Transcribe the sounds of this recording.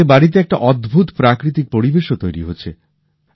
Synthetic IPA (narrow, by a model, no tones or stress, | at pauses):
ebaɽit̪̬eɛk̚ʈa̰ʔɔd̪bʱut̪pɾakɾit̪̬ik̚poɾibeʃot̪ojɾḭɦoːt͡ɕʰe